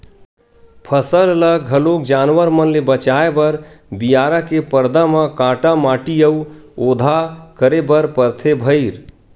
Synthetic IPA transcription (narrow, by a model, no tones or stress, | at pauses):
pʰəsəlləɡɦəlok̚d͡ʒanʋəɾmənlebət͡ʃaebəɾbijaɾakepəɾd̪aməkãʈamaʈijəuod̪ʱakəɾebəɾpəɾt̪ʰebʱəɪɾ